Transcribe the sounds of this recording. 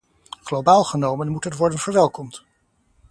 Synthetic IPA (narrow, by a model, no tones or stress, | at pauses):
χlowbaːlˠχənowmənmutɦətʋɔɹdənvəɹʋɛlˠkɔmt